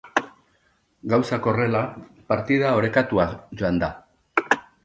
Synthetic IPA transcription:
ɡawsako̞re̞la | paɾt̪ið̞ao̞ɾe̞kat̪uaʝo̞and̪a

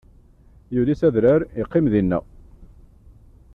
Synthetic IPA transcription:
juðisæðɾaɾiqːɪmðinːæ̰

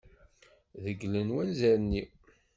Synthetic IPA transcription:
ðəɡlənwænzæɾnːi

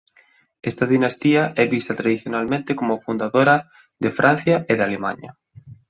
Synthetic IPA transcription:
est̪aðinast̪iaʔɛβist̪at̪ɾaðiθjonalmẽnt̪ekomofund̪aðoɾa | ðefɾʔan̟θjaʔeðalema̰ɲɐ̰

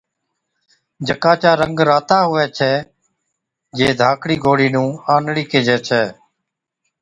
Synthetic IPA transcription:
d͡ʒəkaːt͡ʃaːɾəŋɡɾaːt̪aːɦʊʋɛːt͡ʃʰɛː | d͡ʒeːd̪ʱaːkʰɽiːɡoːɽiːnũːaːnɽiːkeːd͡ʒɛːt͡ʃʰɛː

